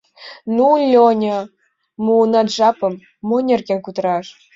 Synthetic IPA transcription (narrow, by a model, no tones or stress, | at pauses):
nulʲonʲɤ | muːnɑt̪ʒɑpəmː | onʲerkenkut̪əɾɑʃ